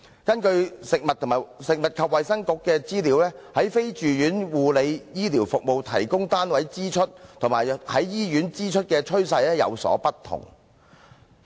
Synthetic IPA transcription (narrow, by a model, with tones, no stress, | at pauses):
kɐ˥nkɵ˧ɥsɪ˨k̚mɐ˨t̪̚ʰːʊ˨˩ŋmaː˨˩sɪ˨k̚mɐ˨t̚kʰɐ˨p̚wɐ˨jsɐ˥ŋkʊ˨˧˥kːɛː˧t͡siː˥liː˨˥wlɛː˥hɐ˨˥jfe˥jt͡ʃyː˨jyː˨˥nwuː˨le˨˧jjiː˥liː˨˩wfʊ˨k̚mo˨˧wt̪ʰɐ̰˨˩jkʊ˥ŋt̪aː˥nwɐ˨˥jt͡siː˥t͡ʃʰɵ˥t̚t̪ʰʊ˨˩ŋmaː˨˩jhɐ˨˥jːiː˥jyː˨˥nt͡siː˥t͡ʃʰɵ˥t̚kɛː˧t͡ʃʰɵ˥ɥsɐ˧jlɛː˥jɐ̰˨˧wsɔ̰ː˨˥pɐ˥t̪ʰʊ̰˨˩ŋ